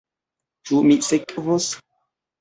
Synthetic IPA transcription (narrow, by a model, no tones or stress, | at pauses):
t͡ʃumisekʼvos